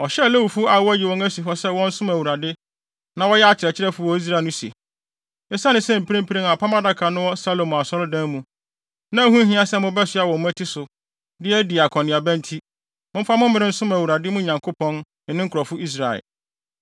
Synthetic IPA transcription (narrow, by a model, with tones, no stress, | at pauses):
ɔ˨ɕɛ˦˨le˦wu˨fu˦a˨wɔ˦ji˨wɔ̃˦ŋæ˦si˨ɦɔ˦sɛ˦wɔ̃˦n̩˦sʊ̃˦mæ˨wu˨ɾa˨dɪ˦ | nã˨wɔ˦jɛ˦a˦˨t͡ɕʰɪ˨ɾɛ˨t͡ɕʰɪ˦ɾɛ˦fʊ˨˦ɔ˦i˦s̬ɾa˨nʊ̃˦sḭ˨ | ɛ˦sa˦nɪ̃˦sɛ̃˦˨m̩˨pʰɾĩ˦m˦pʰi˦ɾĩ˦a˨pʰa˦mã˦da˦kʰa˨nʊ̃˦wɔ˦sa˦lo˨m˨a˨sɔ˦lʊ˦dæ̃˦mũ˨ | nã˦æ˨˦hũ˦ɦĩ˦a˦sɛ˦mʊ̃˦bɛ˦sʊ˨˦a˨wɔ˨mʊ̃˦æ˦tʰi˦sʊ˨ | dɪ˦ɛ˦di˨a˨kʰɔ̃˨nɪ̃˨a˨bæ̃˦n˦tʰi˦ | mʊ̃˦m̩˦fa˦mʊ̃˦m˦mɪ̃˦ɾɪ̃˦n̩˦sʊ̃˦mæ˨wu˨ɾa˨dɪ˦mũ˦ɲã˨ŋkʰo˦pʰɔ̃˦n | nɪ̃˨nɪ̃˦ŋ̩˦kʰʊ˨ɾɔ˨fʊ˦i˦s̬ɾa˨ɛ̰˨l